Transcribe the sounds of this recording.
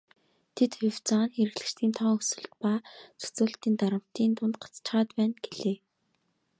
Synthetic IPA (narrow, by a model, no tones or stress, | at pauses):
t̪ʰet̪xʊw̥t͡sanxeɾɘ̆ɣɮɘ̆t͡ɕt̪ʰiːnt̪ʰɔːŋɵsɵ̆ɮt̪paːt͡sɵ̥t͡soːɮt̪iːnt̪aɾə̆m̥t̪iːnt̪ʊnt̪ɢḁt͡st͡ɕχaːt̪pæːnɡeɮeː